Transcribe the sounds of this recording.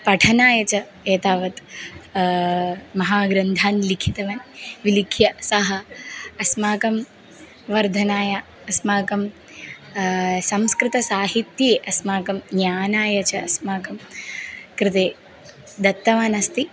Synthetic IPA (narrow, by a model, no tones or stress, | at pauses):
pɐʈʰɐnaːjɐt͡ʃɐ | eːt̪aːʋɐt̪ | mɐɦaːɡɾɐnd̪ʱaːnlikʰit̪ɐʋɐnʋilikʰjɐsɐɦɐːsmaːkɐm | ʋɐɾd̪ʱɐnaːjɐ | ɐsmaːkɐm | sɐmskɾɪt̪ɐsaːɦit̪jeːʔɐsmaːkɐmnjaːnaːjɐt͡ʃɐɐsmaːkɐm | kɾɪt̪eː | d̪ɐt̪ːɐʋaːnɐst̪i